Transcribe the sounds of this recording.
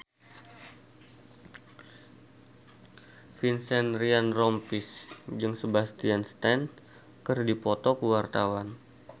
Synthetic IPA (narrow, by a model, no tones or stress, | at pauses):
finsɛnrianrɔmpisd͡ʒɨŋsəbast̪ianst̪ɛn | kərdipɔt̪ɔkəwart̪awan